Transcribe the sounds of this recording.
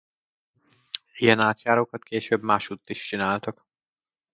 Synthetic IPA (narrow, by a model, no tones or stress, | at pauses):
ijɛnaːt̪ʃaːɾokɒt̪kʰeːʃøːbmaːʃuːt̪ːiʃt͡ʃinaːlt̪ɒk